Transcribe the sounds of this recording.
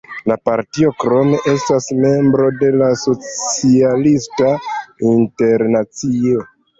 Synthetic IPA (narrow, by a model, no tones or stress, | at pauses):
lapaɾtio̞kɾo̞me̞ʔe̞stasme̞mbɾo̞de̞laso̞t͡sialistainte̞ɾnat͡sio̞